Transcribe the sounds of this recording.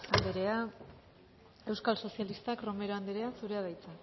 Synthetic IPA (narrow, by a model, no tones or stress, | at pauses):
and̪eɾea | e̞wskalso̞sialist̪akro̞me̞ɾo̞and̪eɾe̞asuɾe̞að̞ajt͡sa